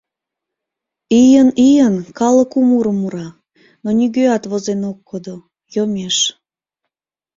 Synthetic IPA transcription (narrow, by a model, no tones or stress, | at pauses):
ijənijənkɑləkumuɾəmuɾɑ | noniɣøɑt̪βozenokːod̪o | jomeʃ